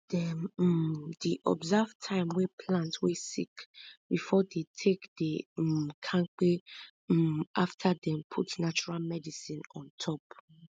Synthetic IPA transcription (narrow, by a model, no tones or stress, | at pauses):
d̥ɛm̩ | diʔɔ̰bzav̥tʰãɪ̃mwepʰlãntwesḭkbifɔdetʰekdekʰãŋk͡pe | ʔaftʰadɛ̃mpʰṵtnat͡ʃuɹalmɛdisĩnɔ̰̃ntʰɔp